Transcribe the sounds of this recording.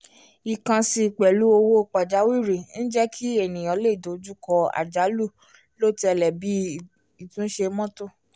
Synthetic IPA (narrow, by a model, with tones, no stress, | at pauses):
i˨kã˧si˧˨k͡pɛ˨lu˨˦o˧wo˦k͡pa˨d͡ʒa˨˦wi˦˨ɾi˨n̩˦d͡ʒɛ˦kʰi˦e˦˨nĩ˨j̃ɔ̃˨˦le˦˨do˨˦d͡ʒu˦kɔ˧a̰˨d͡ʒa˨˦lu˦˨ | lo˦˨ti˦ɛ˧lɛ˨bi˨˦ | i˨tũ˦ʃe˧mɔ̃˦to˦˨